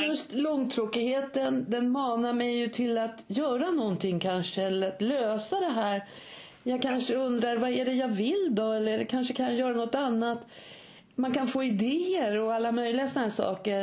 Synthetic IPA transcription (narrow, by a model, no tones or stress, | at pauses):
jɵst̪lɔŋːt̪ʰɾoːkɪheːt̪ənd̪ɛnmɑːnaɾmɛjːɵt̪ʰɪlat̪jœːɾanɔnt̪ʰɪŋːkʰanʂəɛlːəɾat̪løːsad̪ɛɦæːɾ | jɑːɡ̚kʰanʂəɵnd̪ɾaɾvaæɖɛjɑːvɪld̪ɔɛlːəɖɛkʰanʂəkʰanjœːɾanɔt̪ːanːat̪ | mankʰanfoːɪd̪eːəɾɔalːamœjlɪɡasɔnaɦæːʂɑ̰ːkəɾ